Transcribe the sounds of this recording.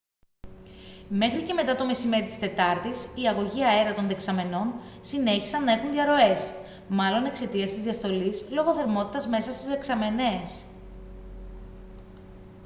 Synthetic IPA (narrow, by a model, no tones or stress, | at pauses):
me̞xɾice̞me̞t̪ɐt̪o̞me̞sime̞ɾit̪i̥st̪e̞t̪ɐɾt̪isiɐɣo̞ʝiɐeɾɐt̪o̞nðe̞ksɐme̞no̞n | sine̞çi̥sɐnːɐe̞xunðiɐɾo̞e̞s | mɐlo̞ne̞kse̞t̪iɐst̪izðiɐst̪o̞lizlo̞ɣo̞θe̞ɾmo̞t̪i̥t̪ɐzme̞sɐst̪ize̞ksɐme̞nes